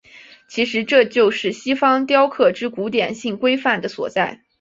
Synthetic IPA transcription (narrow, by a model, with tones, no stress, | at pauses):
t͡ɕʰi˧˥ʂɻ̩˧˥ʈ͡ʂɤ˥˧t͡ɕjo˥˧ʊʂɻ̩˥˩ɕi˥fɑ˥ŋt̪jɑ˥ʊkʰɤ˥˩ʈ͡ʂɻ̩˥ku˧˥t̪jɛ˨˩nɕi˥˩ŋkwe˥ɪfa˥˩nd̪ə˩swɔ̰˨˩t͡sa˥˩ɪ